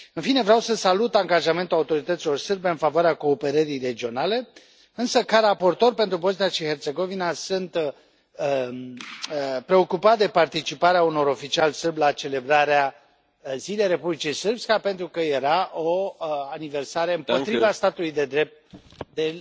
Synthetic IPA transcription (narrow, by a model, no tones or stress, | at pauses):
ɨnfine̞vɾeawsəsalut̪aŋɡaʒame̞nt̪ulaut̪o̞ɾit̪ət̪silo̞rsɨrbe̞ɨnfavoaɾeako̞ːpe̞ɾəɾijre̞d͡ʒio̞nale̞ | ɨnsəkaɾapo̞rt̪o̞rpe̞nt̪ɾubo̞znijaʃihe̞rt̪se̞ɡo̞vinasunt̪ | pɾe̞o̞kupat̪̚d̪e̞part̪it͡ʃipaɾeauno̞ɾo̞fit͡ʃialsɨrblat͡ʃe̞le̞bɾaɾea | zile̞jre̞publit͡ʃijsɨrbskape̞nt̪ɾukəje̞ɾaʔoanive̞rsaɾeɨmpo̞t̪ɾivast̪at̪ulujd̪e̞d̪ɾe̞p̚t̪̚d̪e